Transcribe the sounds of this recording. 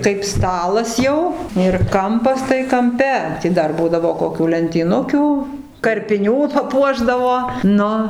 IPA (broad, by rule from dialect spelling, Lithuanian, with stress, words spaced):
kɐɪp ˈstɑːlˠɐs jɛʊ ɪr ˈkɐmpɐs tɐɪ kɐmʲˈpʲɛ ˈtʲɪ dɐr ˈbuːdɐʋoː koːˈkʲuː lʲɛnʲtʲiːˈnʊkʲʊ kɐrʲpʲɪˈnʲuː pɐˈpuɔʒdɐʋoː ˈnʊ